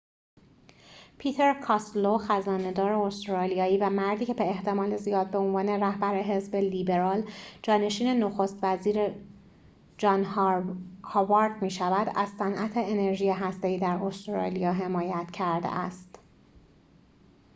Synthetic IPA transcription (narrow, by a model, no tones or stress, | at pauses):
pʰiːt̪ʰe̞ɾkʰɒsloxæzɒːne̞d̪ɒːɾe̞ost̪ɾɒːlijɒːiːvæmæɾd̪iːcʰe̞beːht̪ʰe̞mɒːle̞zijɒːd̪̚beonvɒːne̞ræhbæɾe̞ɦe̞zbe̞liːbe̞ɾɒːld͡ʒɒːne̞ʃiːne̞noxost̪væziːɾe | d͡ʒɒːnhɑɒvɑɾd̪miːʃævæd̪æz̥sænʔæt̪ʰe̞ene̞ɾʒiːjeɦæst̪e̞iːd̪æɾost̪ɾɒ̰ːlijɒːɦe̞mɒːjæt̪cʰæɾd̪ḛʔæst̪